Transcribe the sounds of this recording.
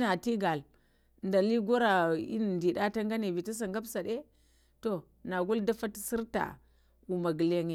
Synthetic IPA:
na˨ti˦ɡa˨l | nda˨li˦ɡo˦ɾa˨ḭ˦n˨ndi˨ɗa˦ta˦ŋ˦ɡa˦ne˨vi˨ta˦s̬a˨ŋɡa˦bsa˨ɗe˦ | to˨ | na˨ɡu˦lda˦fa˦tsi˦ɾta̰˨ | u˨ma˨ɡi˨le˨ŋ˨

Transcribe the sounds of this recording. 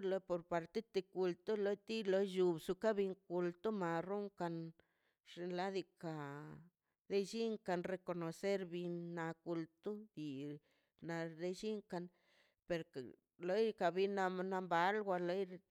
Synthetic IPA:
lo˧po˧ɾpa˧ɾt̪e˦t̪i˧ku˧lt̪u˦lo˦jt̪i˦lo˧˦jʒu˧bsu˧ka˦bi˧ŋku˧lt̪u˦ma˨ru˦ŋka˧n | ʐ̥e˧nla˦d̪i˧ka˨ | d̪e˦d͡ʒi˦ŋka˧nre˧ko˧no˨se˦ɾbi˧nːa˧ku˧lt̪u˦d̪i˨ | na˧d̪e˦ʃi˦ŋka˧n | pe˧ɾk | lo˦jka˨bi˧na˧na˧mba˨lɡʷa˧lo˦j

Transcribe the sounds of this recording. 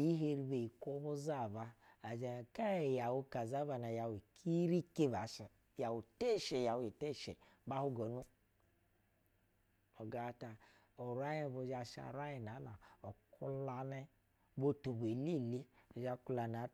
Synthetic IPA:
ji˦ɦe˧ɾi˧be˨i˨ko˦bu˦za˦˨βaː˧˨d͡ʒa˧˨ka˦˨ja˨wu˧ka˨za˦βa˧na˨ja˨wi˨kʰi˦ɾi˦ke˦˨ba˨ʃa˨ | ja˨wu˨te˦˨ʃe˨ja˨wu˧˨i˨te˦˨ʃḛ˨ | ba˦hu˦ɡɔ˨˦nu˦ | ɔ˨ɡa˨˧˦ta˧ | o˨ɾa˦ji˦˨bo˧˦d͡ʒa˧ʃa̰˧˨ɾa˦ji˨na˨˦la˨ɔ˨ku˦la˧nɛ˦˧ | bo˧tu˨be˨li˦˨li˦˨d͡ʒa˧ku˧la˨na˨˦

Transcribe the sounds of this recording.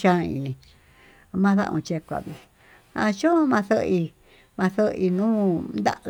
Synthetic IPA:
ʃã˦˧ḭ˧˨nĩ˨˧ | mã˦ðã̰˦˧ʔũ˧t͡ʃe˧kʷa̰˨βi˧ | a̰˧t͡ʃõ˦mã˧θə˦i˧ | mã˧θə˦i˧nũː˦nd̪a̰˦ʔ

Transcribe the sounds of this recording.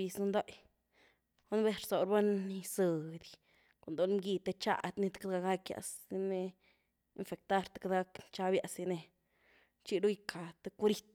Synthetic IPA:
i˧sn˧nd̪o˦j | o˦nbe˦ɾso˨ɾba˦ni˧sɨ˨d̪i | kʷa˨nd̪o˦lmɡi˧t̪e˧t͡ʃa̰˧˨d̪ni˦t̪kad̪ɡa˧ɡa˦kja̰˧˨si˧ne˧ | i˧nfe˨k̚t̪a˦˧ɾt̪ḁ˦ka˦d̪ɡa˦kt͡ʃa˦bja˧si˧ne˧ | t͡ʃi˦˧ɾu˦jkʰa˨t̪e˧ku˦ɾi˦t̪̚

